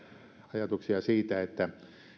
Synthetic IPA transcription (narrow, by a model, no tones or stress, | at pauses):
ɑjɑt̪uksiɑsiːt̪æet̪ːæ